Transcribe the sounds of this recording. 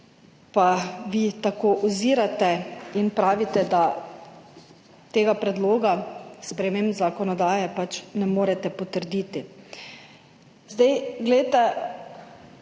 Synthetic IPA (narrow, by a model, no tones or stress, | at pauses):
paʋit̪akoːʔuziːɾat̪ɛinpɾaːʋit̪ɛd̪a | t̪eːɡapɾɛd̪loːɡaspɾɛmeːmbzakɔnɔd̪aːjɛpat͡ʃnɛmoːɾɛt̪ɛpɔt̪əɾd̪iːt̪i | zd̪ajɡlɛjt̪ɛ